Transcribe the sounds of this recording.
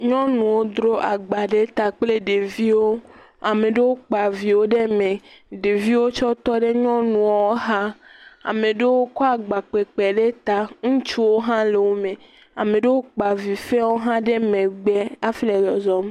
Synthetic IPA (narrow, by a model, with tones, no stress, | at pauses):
ɲɔ̃˦nũ˨wo˦d̪ɾo˦ʔa˨ɡ͡ba˨ɖe˦t̪a˨k͡ple˦ɖe˨vi˦wo˦ | a˨mẽ˨ɖe˦wo˦k͡pa˨vi˨wo˦ɖe˦mẽ˨ɖe˨vi˦wo˦t͡ʃɔ˦t̪ɔ˦ɖe˦ɲɔ̃˦nũ˨wo˦wo˦ɦa˦a̰˨mẽ˨ɖe˦wo˦kɔ˦a˨ɡ͡ba˨k͡pe˨k͡pɛ˨ɖe˦t̪a˨ŋũ˦t͡ʃu˦wo˦ɦã˦le˨wo˦mẽ˨ | a˨me˨ɖe˦wo˦k͡pa˨vi˨fɛ˦wo˦ɦã˦ɖe˦mẽ˨ɡ͡be˦a˦fi˦le˨lɔ˨zɔ˦m˦